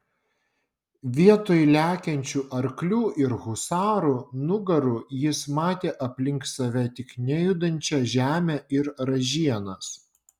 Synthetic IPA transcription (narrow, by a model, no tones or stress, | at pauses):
ʋʲiɛt̪oːjlʲæːkʲɛnʲt͡ʃʲuːʔɐɾklʲuːʔɪɾɣʊsɑːɾunʊɡɐɾʊjɪsmɑːt̪ʲeːʔɐpʲlʲɪŋk̪sɐʋʲɛt̪ʲɪknʲɛjʊd̪ɐnʲt͡ʃʲɛʒʲæːmʲæʔɪɾɾɐʒʲiɛnɐs